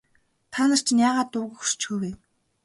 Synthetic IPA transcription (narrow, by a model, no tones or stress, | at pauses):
t̪ʰanə̆r̥t͡ɕnjaːʁaːt̪ʊɣə̆xrt͡ɕʰuːweː